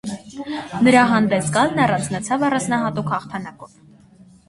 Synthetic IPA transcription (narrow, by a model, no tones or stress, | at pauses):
nəɾɑɦɑnd̪ɛsɡɑlnɑrɑnt͡sʰnət͡sʰɑvɑrɑnd͡znɑɦɑt̪ukʰhɑχt̪ʰɑnɑkɔv